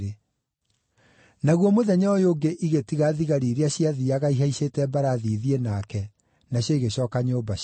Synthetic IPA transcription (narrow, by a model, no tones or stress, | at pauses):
e | naɣwɔmoðɛɲaɔjoːɡeʔiɣetiɣaðiɣaɾiːɾeaɕjaðiaɣaiɦaiɕetɛbaɾaðiːðienakɛ | naɕjɔiɣeɕɔːkaɲoːba